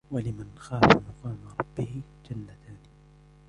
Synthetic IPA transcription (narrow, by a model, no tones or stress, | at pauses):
walɪmanxaːfamʊqɑːmaɾˤɑbːɪhɪ | d͡ʒalːat̪aːnɪ